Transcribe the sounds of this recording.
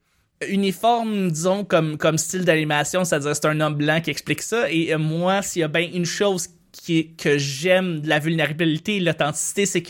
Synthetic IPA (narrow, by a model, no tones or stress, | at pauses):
ynifɔʁmd̪izɔ̃kɔmkɔmst͡sɪld̪animasjɔ̃se̥t̪add͡ziːʁse̥t̪ɛ̃nɔmblɑ̃kʲiɛksplɪksʌemwasijabɛ̃ʔynʃowz̥ | kʲʰkʲʰəʒɛmd̪əlavylneʁablit̪elɔt̪ɑ̃t̪i̥si̥t̪esek